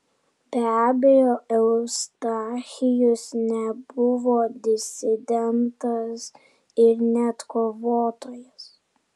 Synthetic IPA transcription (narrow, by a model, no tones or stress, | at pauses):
bʲæːbʲɛjoɛʊst̪ɑxʲɪjʊsnʲɛbʊʋoːd̪ʲɪsʲɪd̪ʲɛnt̪ɐs | ɪɾnʲɛt̪koʋoːt̪oːjɛs